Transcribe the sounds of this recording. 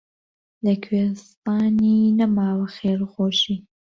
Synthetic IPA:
ləkʰwest̪aːninɐmaːwxeːɾxoːʃiː

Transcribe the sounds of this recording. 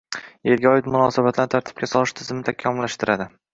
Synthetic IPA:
e̞lɡʲɒɪt̪mʊnɒsabat̪lant̪ʰaɾt̪ʰɪ̥p̚kʲasɒlˠɪʃt̪ʰɪzɪmɪt̪ʰakʲʰamʊlːaʃt̪ɪɾad̪ɪ

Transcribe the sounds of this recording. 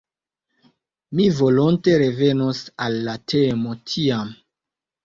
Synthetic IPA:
mivo̞lonte̞ɾe̞ve̞nosalːatʰemo̞tʰiam

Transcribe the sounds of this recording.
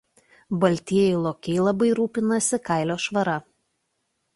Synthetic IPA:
bɐlʲt̪ʲiɛjɛʊlˠoːkʲɛɪlˠɐbɐɪɾuːpʲɪnɐsʲɪkɑˑɪlʲoːʃʋɐɾɐ

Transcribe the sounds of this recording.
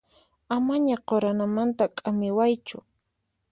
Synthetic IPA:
amaɲaqoɾanamant̪akʼamɪwajt͡ʃʊ̰

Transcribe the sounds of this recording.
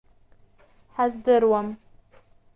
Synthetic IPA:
ħazdɨɾwɐm

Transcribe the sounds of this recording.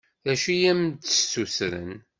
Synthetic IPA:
ðæʃijæmt̪ə̥susɾə̰n

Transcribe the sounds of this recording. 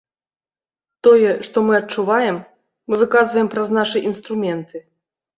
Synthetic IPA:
t̪ɔjɛʂt̪ɔmɨɐtt͡ʂuvajɛmː | ɨvɨkazvɐjɛmpɾɐznaʂɨʔinst̪ɾumʲɛnt̪ɨ

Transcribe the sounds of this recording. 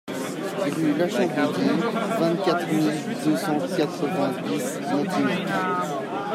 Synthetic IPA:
ʁylaʃɑ̃p̪id̪ivɛ̃t̪kʲat̪χmil | d̪øsɑ̃kat̪sɔ̃vɛ̃t̪wi | mɛ̃t̪ĩ

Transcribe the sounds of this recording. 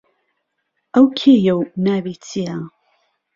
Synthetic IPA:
ʔɐwkʰeːjɐwnaːbiːt͡sʰia

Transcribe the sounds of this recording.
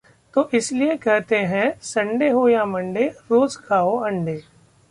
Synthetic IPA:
t̪oːʔɪsliekɛɦt̪eɦɛ̃sɐ̃ɳɖeɦojamɐ̃ɳɖeɾoːzɡʰaːoɐ̃ɳɖeː

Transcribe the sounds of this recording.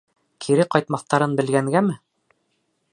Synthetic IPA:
kʰiɾɘqɑjt̪mɑθt̪ɑɾɤnbɘ̆lɡæŋɡæmɘ

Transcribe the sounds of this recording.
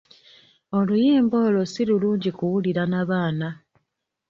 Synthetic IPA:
o̞lujiːmbo̞ːlo̞sililuːɲɟikuwuliɾanaβaːna

